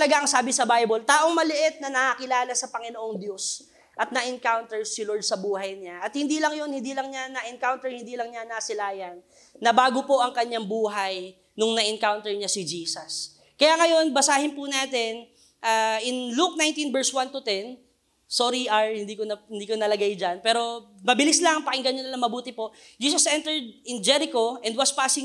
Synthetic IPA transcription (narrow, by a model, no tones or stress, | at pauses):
ɐlɐɡaʔɐŋsaːbɪsɐbajbolt̪aːʔoŋmɐlɪʔɪt̪̚nɐnɐakɪlaːlɐsɐpɐŋɪnoʔoŋd̪jo̞s | ʔɐt̪̚nɐʔɪnkawnt̪ɛɹsɪloɹd̪̚sɐbuːɦɐjɲaʔɐt̪̚hɪnd̪iːlɐŋjonhɪnd̪iːlɐŋɲanɐʔɪŋkawnt̪ɛɹhɪnd̪iːlɐŋɲanɐsɪlaːjɐnː | ɐbaːɡopo̞ʔɐŋkɐɲaŋbuːɦɐj | nʊŋnɐʔɪŋkawnt̪ɛɹɲasɪd͡ʒiːsɐs | kɐjaŋɐjo̞nbɐsaːhɪnpʊnaːt̪ɛn | ʔaːʔɪnluk̚najnt̪invɛɹswant̪ʊt̪ɛn | soɾiʔaɹhɪnd̪iːkoɐɪnd̪iːkonɐlɐɡajd͡ʒanpɛːɾo̞mɐbɪlislɐŋpɐkɪŋɡɐɲonɪlɐŋmɐbuːt̪ɪpo̞ʔ | d͡ʒiːs̬ɐsʔɛnt̪ɛɹd̪̚ɪnd͡ʒɛɾɪko̞ʔɛnd̪̚wɐspasɪŋ